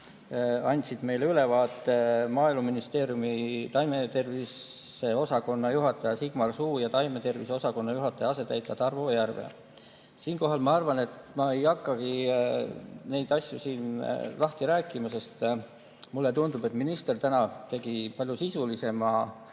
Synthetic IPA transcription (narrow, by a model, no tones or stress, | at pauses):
ɑnʲt̪sid̪̥me̞jleylevɑːt̪ːˑe̞mɑːilmuminist̪e̞ːɾjumit̪ɑjme̞t̪e̞rvis | e̞o̞sɑko̞nːɑjuɦɑt̪ːˑɑjɑsiɡ̥mɑrsuːjɑt̪ɑjme̞t̪e̞rviseo̞sɑko̞nːɑjuɦɑt̪ːˑɑjɑɑse̞t̪ːæjt̪ˑːɑt̪ɑrvoːjærvḛ | siːnko̞ɦɑlmɑɑrvɑne̞t̪mɑe̞jɑkːɑɡ̥i | ne̞jd̪ɑsʲjusiːnlɑht̪iɾæːkˑːimɑse̞st̪ | mulːe̞t̪und̪̥ub̥e̞t̪ːˑminist̪e̞rt̪ænɑt̪e̞ɡ̥ipɑlʲjusisulise̞mɑ